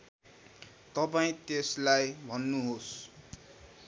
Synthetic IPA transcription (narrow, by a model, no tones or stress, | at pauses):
t̪ʌpaĩt̪eslajbʱʌnːuɦos